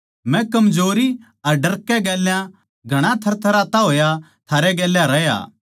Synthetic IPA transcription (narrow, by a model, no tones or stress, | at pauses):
mɛ̃kɐmd͡ʒoːɾi | ɐɾɖɐɾkːɛɡɛːljã | ɡʱɐɽ̃ãt̪ʰɐɾt̪ʰɐɾaːt̪aɦoːja | t̪ʰaːɾɛɡɛːljãɾɐja̰ː